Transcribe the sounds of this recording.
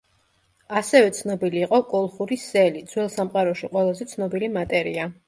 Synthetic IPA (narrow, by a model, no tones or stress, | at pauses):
asɛvɛt̪sʰnɔbiliːqʼɔkʼɔlˠχuɾisɛlid̪zwɛlˠsamqʼaɾɔʃiqʼwɛlˠazɛt̪sʰnɔbilimat̪ʼɛɾia